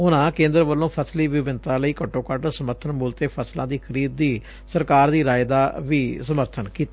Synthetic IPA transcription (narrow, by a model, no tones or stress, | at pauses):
ʊnãːkẽːnd̪əɾʋəlːõːpʰəsliːʋɪʋɪnt̪ãːləiːkəʈːõːkəʈsəməɾt̪ʰənmuːlt̪eːpʰəslã̰ːd̪iːkʰəɾiːd̪ːiː | səɾkaːɾd̪iːɾaːjd̪aːʋiːsəməɾt̪ʰənkiːt̪a